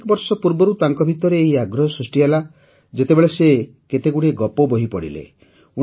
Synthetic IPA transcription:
kɔbɔɾsɔpuɾbɔɾut̪aŋkɔbʱit̪ɔɾeːɦiaɡɾɔɦɔsɾisʈiɦela | d͡ʒet̪ebeɭese | ket̪eɡuɽeɡɔpɔbɔɦipɔɽḭlḛ | u

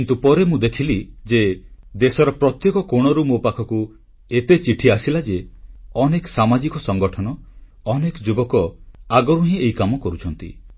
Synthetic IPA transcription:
int̪upɔɾemũd̪ekʰilid͡ʒed̪esɔɾɔpɾɔt̪jekɔkoɽ̃ɔɾumopakʰɔku | et̪et͡ʃiʈʰiasilad͡ʒeɔnekɔsamad͡ʒikɔsɔŋɡɔʈʰɔnɔ | ɔnekɔd͡ʒubɔkɔaɡɔɾuɦĩejkamɔkɔɾut͡ʃʰɔnt̪ḭ

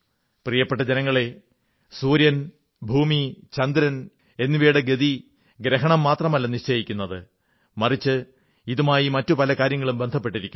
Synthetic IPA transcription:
prijɐpːeʈːɐd͡ʑenɐŋːɐɭe̞ | suːɾjɐn | bʱuːmit͡ɕɐnd̪ɾɐn | e̞nːiʋeːɽeɡed̪i | ɡɾeɦɐɳɐmːaːt̪rɐmɐlːɐniʂt͡ɕejikʲːunːɐðɨ | mɐrit͡ɕːɨ | iðumaːjimɐtːupɐlɐkaːɾjɐŋːɐɭumbe̞nd̪ʱɐp̬ːe̞ʈːiɾikʲːum

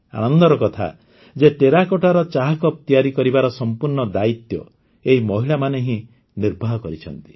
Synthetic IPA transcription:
a̰nɔnd̪ɔɾɔkɔt̪ʰa̰ | d͡ʒeʈeɾakɔʈaɾɔt͡ʃaɦakɔp̚t̪ijaɾikɔɾibaɾɔsɔmpuɾɳɔd̪ait̪jɔ̰ | eɦimɔɦiɭamaneɦĩ | niɾbʱaɦɔkɔɾit͡ʃʰɔnt̪i̥

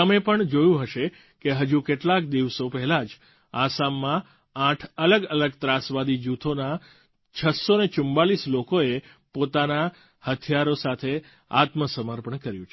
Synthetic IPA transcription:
əmepəɳd͡ʒojũɦəʃe | keɦəd͡ʒũkeʈlakd̪iʋsopɛɦɛlad͡ʒ | asamːã | ãʈʰələɡələɡt̪ɾasʋad̪id͡ʒut̪ʰona | t͡ʃʰəsonet͡ʃʊmbalislokoe | pot̪ana | hət̪ʰijaɾosat̪ʰe | a̰t̪məsəməɾpəɳkəɾjũt͡ʃʰ

